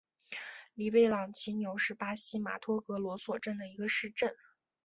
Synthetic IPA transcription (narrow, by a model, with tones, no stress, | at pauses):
li˨˩pe˥˩ɪlɑ˨˩ŋt͡ɕʰi˧˥njo˧˥ʊʂɻ̩˥˩pa˥ɕi˥ma̰˨˩t̪ʰwɔ˥kɤ˧˥lwɔ˧˥swɔ˨˩ʈ͡ʂə˥˩nd̪ə˩i˧˥ɡə˧ʂɻ̩˥˧ʈ͡ʂə˥˩n